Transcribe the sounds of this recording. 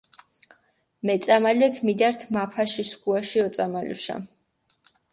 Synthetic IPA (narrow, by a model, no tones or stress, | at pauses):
mɛt̪sʼamalɛkʰmid̪aɾt̪ʰmapʰaʃiskʰʼuaʃiɔt̪sʼamalṵʃa̰